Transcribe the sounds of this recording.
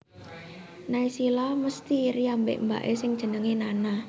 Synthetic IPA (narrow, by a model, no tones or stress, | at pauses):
naisilɔməst̪iriambḛʔmba̰ʔesɪŋd̥ʒ̥ə̤nəŋinana